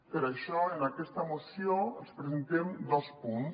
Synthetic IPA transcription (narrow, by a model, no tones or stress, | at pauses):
peɾaʃɔenakɛst̪amosjoenspɾesẽnt̪emd̪ɔspun